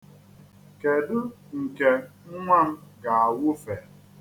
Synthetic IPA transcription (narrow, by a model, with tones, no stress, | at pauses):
ke˨dʊ˦ŋ̩˨ke˨ŋ̩˦ŋʷa˦˨m̩˦ɡa˨a˨wʊ˦fe˨